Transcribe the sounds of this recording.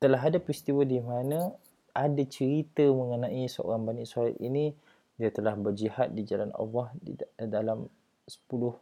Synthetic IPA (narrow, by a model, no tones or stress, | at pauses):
t̪əlaɦadapɾist̪iwadimanə̃ | ʔadat͡ʃəɾit̪əmə̃ŋənãʔisəo̰ɾaŋbaniʔsaɾa̰t̪ini | diat̪əlahbərd͡ʒihat̪̚did͡ʒalanɑ̰lːɔhdalam | sə̥pulʊh